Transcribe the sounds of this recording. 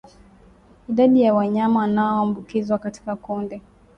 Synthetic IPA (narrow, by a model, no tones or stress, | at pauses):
iɗaɗijawaɲamanaɔambukizwakati̥kakundɛ